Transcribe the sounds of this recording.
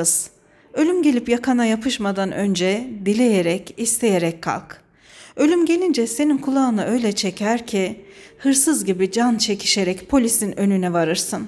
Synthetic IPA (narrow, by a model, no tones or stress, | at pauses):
z̥ | ø̞lʲymɟe̞lʲipjakʰanajapʰɯʃmad̪anø̞nd͡ʒɛb̪ilʲe̞jeɾɛcist̪ʰe̞jeɾɛckʰːa̰lˠk | ø̞lʲymɟe̞lʲind͡ʒɛse̞ninkʰulˠaɯnaʔø̞jlʲɛt͡ʃʰecʰæɾcʰihɯɾsɯzɟibid͡ʒant͡ʃʰe̞cʰi̥ʃeɾɛcpʰo̞lʲisinø̞nynɛvaɾɯɾsɯn